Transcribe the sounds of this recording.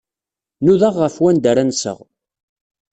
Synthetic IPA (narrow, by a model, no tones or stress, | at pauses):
nuðaʁːəfwænd̪əɾænsə̰ʁ